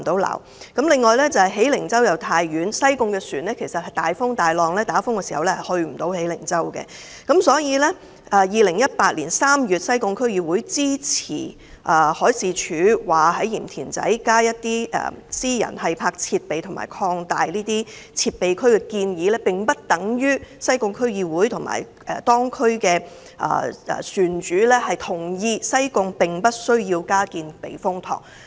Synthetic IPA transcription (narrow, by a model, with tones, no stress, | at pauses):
t̪o˨˥wla̰ː˨˩w | kɐ˨˥mlɪ˨ŋːɔː˨˧jlɛː˥t͡sɐ˨whɐ˨jɦe˨˥jlɪ˨˩ŋt͡sɐ˥wjɐ˨wt̪ʰaː˧jjyː˨˥nsɐ˥jkʊ˧ŋkɛː˧syː˨˩nlɛː˥kʰe˨˩jsɐ˨t̚hɐ˨˩jt̪aː˨jfʊ˥ŋt̪aː˨jlɔː˨˧ŋlɛː˥t̪aː˨˥fʊ˥ŋkɛː˧si˨hɐ̰˨wlɛ˥hɐ˨˩jhɵ˧ɥm̩˨˩t̪o˨˥whe˨˥jlɪ˨˩ŋt͡sɐ˥wkɛ̰˧ | kɐ˨˥msɔː˨˥jiː˨˧lɛ˥ | ɛː˨˧jiː˨lɪ˨˩ŋjɐ˥t̚paː˧t̚lḭː˨˩nsaː˥mjyː˨t̚sɐ˥jkʊ˧ŋkʰɵ˥ɥjiː˨˧wuː˨˥jt͡siː˥t͡sʰḭː˨˩ | ʔɐː˨˩hɔː˨˥jsiː˨˧t͡ʃʰyː˨˥waː˨˩ɦɐ˨˥jjiː˨˩mt̪ʰiː˨˩nt͡sɐ̰˨˥jkaː˥jɐ˥t̚t̪iː˥ʔːsiː˥jɐ̰˨˩nhɐ˨jpʰaː˧k̚t͡sʰiː˧t̚pe˨jt̪ʰʊ˨˩ma̰ː˨˩jkʰɔː˧ŋt̪aː˨jniː˥t̪iː˥t͡sʰiː˧t̚pe˨jkʰɵ˥ɥkɛː˧kiː˧njiː˨˧lɛː˥pɪ˨ŋpɐ˥t̚t̪ɐ˨˥ŋjyː˥sɐ˥jkʊ˧ŋkʰɵ˥ɥjiː˧wuː˨˥jt̪ʰʊ˨˩ŋma̰ː˨˩j | ɛ˨t̪ɔː˥ŋkʰɵ˥ɥkɛː˧ | ʔɐ̰ː˨˩ʔɛ̰ː˨syː˨nt͡ʃyː˨˥lɛː˥hɐ˨jt̪ʰʊ˨˩ŋjiː˧sɐ˥jkʊ˧ŋpɪ˨˩ŋpɐ˥t̚sɵ˥ɥjiː˧wkaː˥kiː˨npḛ˨jfʊ˥ŋt̪ʰɔ̰ː˨˩ŋ̚